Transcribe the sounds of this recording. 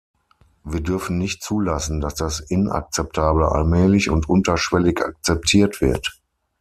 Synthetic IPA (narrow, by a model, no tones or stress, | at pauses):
viːɐdʏɐfn̩nɪçtt͡suːlasn̩dasd̥asʔɪnʔa̰k̚t͡sɛp̚tʰaːbl̩a̰lmɛːlɪçʊntʔʊntɐʃv̥ɛlɪça̰k̚t͡sɛp̚tʰiːɐtv̥ɪɐt